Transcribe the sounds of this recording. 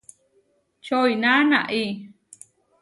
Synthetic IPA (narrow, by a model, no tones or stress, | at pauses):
t͡ʃoijnanaʔi